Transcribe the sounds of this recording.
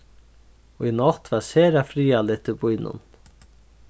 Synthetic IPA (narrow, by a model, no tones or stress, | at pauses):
ɔinɔt̪vaɾseːɾafɾiːalɪt̪ːɪbʊjnʊ̰n